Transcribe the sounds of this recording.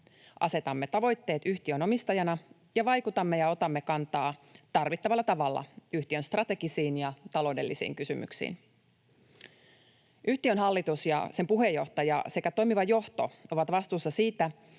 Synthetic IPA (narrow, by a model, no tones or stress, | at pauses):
ʔɑse̞t̪ɑmːe̞t̪ɑʋo̞jt̪ːe̞ːt̪yçt̪iøno̞mist̪ɑjɑnɑ | jɑʋɑjkut̪ɑmːejɑo̞t̪ɑmːekɑnt̪ɑːt̪ɑrʋit̪ːɑʋɑlːɑt̪ɑʋɑlːɑ̰yht̪iønst̪rɑt̪e̞ɡisiːnjɑt̪ɑlo̞ːde̞lːisḭːŋkysymy̰ksḭːn | ʔyht̪iønɦɑlːit̪usjɑ̰se̞mpuɦe̞jːo̞ht̪ɑjɑ̰se̞kæt̪o̞jmiʋɑjo̞ht̪o̞̰o̞ʋɑt̪ʋɑst̪uːsːɑsiːt̪æ